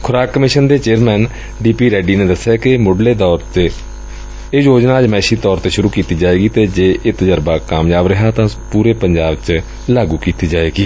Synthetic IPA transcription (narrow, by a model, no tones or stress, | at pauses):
kʰʊɾaːkkːəmɪʃənd̪eːt͡ʃeːɾmɛːn | ɖiːpiːɾɛːɖiːnẽːd̪əsːjaːkɪmʊɖleːd̪ɔːɾe | eːjoːd͡ʒnaːəd͡ʒmɛːʃiːt̪ɔːɾt̪eːʃʊɾuːkiːt̪iːd͡ʒaːeːɡiːt̪eːd͡ʒeːʔɪt̪d͡ʒəɾbaːkaːmjaːbɾəɦaːt̪ãːpuːɾeːpəɲd͡ʒaːbt͡ʃ | laːɡuːkiːt̪iːd͡ʒaːeːɡiː